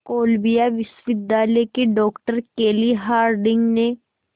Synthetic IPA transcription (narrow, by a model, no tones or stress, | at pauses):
koːlbijaʋɪsʋɪd̪ːaːlekeɖɔːkʈəɾkeːliɦaːɾɖɪ̃ŋɡne